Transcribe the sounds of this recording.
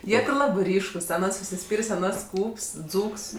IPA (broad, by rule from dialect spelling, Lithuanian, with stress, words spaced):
ˈjiɛ tʲɪ ˈlˠɑːbɜ ˈrʲiːʃkʊs ɐˈnɐs ʊʃʲsʲɪˈsʲpʲiːrʲeːsʲ ɐˈnɐs ˈskuːps ˈd͡zuːks